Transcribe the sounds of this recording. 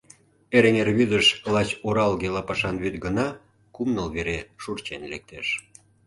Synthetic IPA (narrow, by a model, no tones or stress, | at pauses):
eɾeŋerβyd̪əʃlɑt͡ɕoɾɑlɣelɑpɑʃɑnβyt̪ɡənɑ | kumnəlβeɾeʃurt͡ɕenlḛk̚t̪eʃ